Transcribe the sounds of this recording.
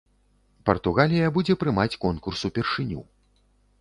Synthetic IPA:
pɐrt̪uɣalʲijɐbud͡zʲɛpɾɨmat͡sʲkɔnkursupʲɛrʂɨnʲṵ

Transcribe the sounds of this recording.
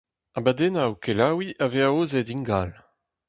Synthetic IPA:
abad̪enawkelawiʔaveaoːzediŋɡal

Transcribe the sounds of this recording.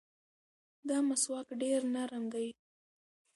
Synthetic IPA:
d̪ɑmaswɑkɖeɾnaɾəmd̪aj

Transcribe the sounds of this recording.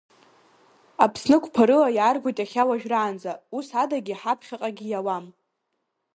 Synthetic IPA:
apʰsnɨkʷʰʼpʰaɾɨlajaːrɡʷojtʼaχʲawaʒᶣraːnd͡zausadaɡʲiħapʰχʲaqʼaɡʲijawam

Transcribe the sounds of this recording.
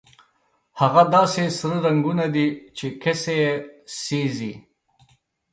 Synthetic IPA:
haɣad̪ɑːsesɾəɾaŋɡunad̪it͡ʃekesejesizi

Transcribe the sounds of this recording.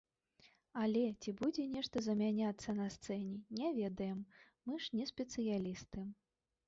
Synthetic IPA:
ɐlʲɛt͡sʲibud͡zʲɛnʲɛʂt̪ɐzɐmʲanʲat̪sːɐnɐst̪sɛnʲɛnʲɛvʲɛd̪ɐjɛmː | ɨʂnʲɛsʲpʲɛt̪sɨjalʲist̪ɨm

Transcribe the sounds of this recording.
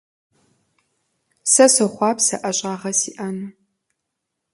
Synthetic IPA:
sɐsɨχʷɑːpsɐʔɐɕʼaːʁɐsḭːʔɐnɨ

